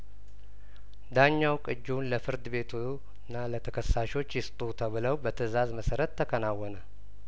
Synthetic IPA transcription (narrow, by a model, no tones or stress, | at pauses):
d̪aɲːawkʼɨd͡ʒːunləfɨɾd̪ɨβe̞t̪ʰu | nːalət̪ʰəkʰəsːaʃo̞t͡ʃːjɪst̪ʼut̪ʰəβɨləwbət̪ʰəzazməsəɾət̪ʰːəkʰənawɔnə